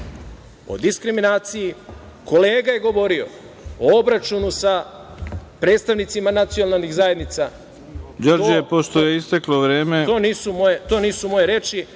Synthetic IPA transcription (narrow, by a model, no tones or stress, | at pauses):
o̞̰d̪iskɾiminaːt̪siji | ko̞le̞ːɡaje̞ɡo̞ʋo̞ɾio̞̰ | oobɾat͡ʃunusa | pɾed̪t̪st̪aʋnit̪simanat̪sionalniɣzajed̪nit̪sa | d͡ʒoɾd͡ʒijepoʃt̪ojeist̪ekloʋɾe̞ːmet̪oːniːsumojet̪o̞niːsumo̞je̞ɾe̞t͡ʃi